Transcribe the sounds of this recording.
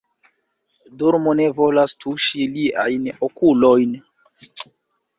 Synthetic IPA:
duɾmone̞vo̞lastʰuʃilia̰jnokulojn

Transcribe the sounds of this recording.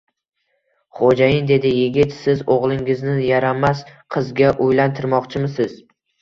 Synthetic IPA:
χod͡ʒajɪnd̪e̞d̪ɪjɪɡʲɪt̪sɪzoʁlˠɪŋɪznɪjaɾamasqʰɨzɡʲaʔojlant̪ʰɪɾmɒqt͡ʃʰɪmɪsɪz

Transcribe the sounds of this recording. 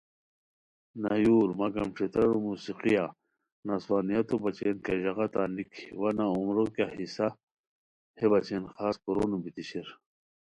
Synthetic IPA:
najuːɾmakɐmʈ͡ʂʰit̪ɾɐɾumuːsiqija | naswaːnijɐt̪obɐt͡ɕenkeʑɐɣat̪aːnikʰiwanaumɾokjahisa | hebɐt͡ɕenxaːskuɾonubit̪iɕiɾ

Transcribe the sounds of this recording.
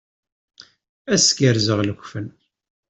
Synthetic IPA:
æskəɾzəʁləkʷːfən

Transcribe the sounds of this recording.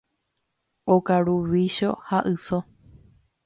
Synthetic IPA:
okaɾuʋiʃo̞haʔɨso

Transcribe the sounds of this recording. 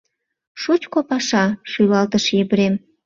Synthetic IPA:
ʃut͡ɕkopɑʃɑʃylɑlt̪əʃibɾem

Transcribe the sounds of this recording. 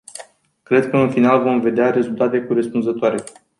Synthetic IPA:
kɾe̞d̪̚kəɨnfinalvo̞mve̞d̪eaɾe̞zult̪at̪e̞kuɾe̞spunzət̪oaɾe̞

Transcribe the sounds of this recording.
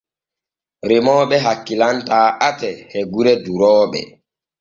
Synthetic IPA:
ɾemɔːɓɛɦakːilantaːʔatɛhɛɡuɾɛduɾɔːɓɛ̰

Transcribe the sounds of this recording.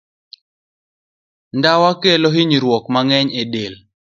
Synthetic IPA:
ndawakeloɦiɲiɾwɔkmaŋɛɲedel

